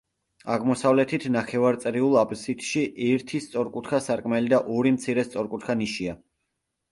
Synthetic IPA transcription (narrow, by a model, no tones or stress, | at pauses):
aʁmɔsavlɛt̪ʰit̪ʰnaχɛvaɾt̪sʼɾiulˠapʼsit̪ʃiʔɛɾt̪ʰist̪sʼɔɾkʼut̪ʰχʰasaɾkʼmɛlid̪aʔɔɾimt̪sʰiɾɛst̪sʼɔɾkʼut̪̚ʰkʰaniʃia